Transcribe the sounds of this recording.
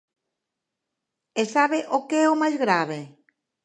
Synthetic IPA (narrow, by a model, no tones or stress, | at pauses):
esaβeʔokeɛomajzɣɾaβ̞e